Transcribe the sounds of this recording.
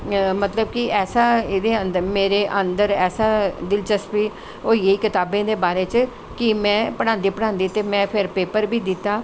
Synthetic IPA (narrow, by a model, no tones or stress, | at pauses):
mət̪ləb̚kɪɛːsaːed̪eːənd̪əɾmeːɾeːʔə̃nd̪əɾɛːsaːd̪ɪlt͡ʃəspiː | oːieiːkɪt̪aːbẽːd̪eːbaːɾeːt͡ʃ | kɪmɛ̃ːpəɽ̃ãːnd̪iːpəɽ̃ãːnd̪iːt̪eːmɛ̃ːpʰɪɾpeːpəɾbiːd̪ɪt̪ːaː